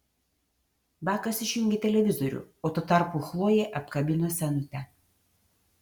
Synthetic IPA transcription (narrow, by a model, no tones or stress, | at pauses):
bʲæːkɐsɪʃʲjʊŋʲɡʲɛt̪ʲɛlʲɛʋʲɪzɔɾʲʊ̰oːt̪ut̪ɑɾpuxlˠoːjeʔɐpkɐbʲɪnosʲɛnʊt̪ʲɛ